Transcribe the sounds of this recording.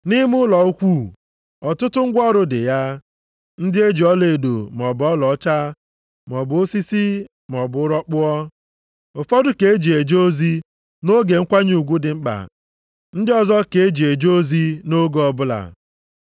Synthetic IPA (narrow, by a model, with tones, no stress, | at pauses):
ni˦mʊ˦lɔ˨u˦kʷu˦˨ | ɔ˨tʊ˦tʊ˦ŋ̩˦ɡʷɔ˦ɾʊ˨dɪ̰˨ja˦ | n̩˦dɪ˦e˦d͡ʒi˨ɔ˦le˨do̰˨m˨ɔ˨bʊ˨ɔ˦lɔ˨˦t͡ʃa˦ | m˨ɔ˨bʊ˨o˦si˦si˦ | m˨ɔ˨bʊ˨ʊ˦ɾɔ˦k͡pʊ˦ɔ˦ | ʊ˨fɔ˦dʊ˨ke˨e˦d͡ʒi˨e˨d͡ʒo˦zi˦ | no˦ɡe˨ŋ̩˦kʷa˦ɲu˨ɡʷu˦dɪ˨ŋ͡m̩˦k͡pa̰˨ | n̩˦dɪ˦ɔ˨zɔ˦ke˨e˦d͡ʒi˨e˨d͡ʒo˦zi˦no˦ɡɔ˨bʊ˦la̰˨